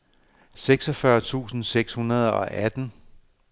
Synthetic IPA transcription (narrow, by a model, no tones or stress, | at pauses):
seɡ̥sɒ̽fɶɐt͡sʰṵːsn̩seɡ̥shunɐð̞ˠɒ̽ʔæd̥n̩